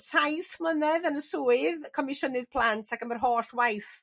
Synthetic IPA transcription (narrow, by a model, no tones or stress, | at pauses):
sajθmənɛðənəsuːɨðkʰɔmɪʃənɨðpʰl̥ˠantʰakəmərɦoːɬwajθ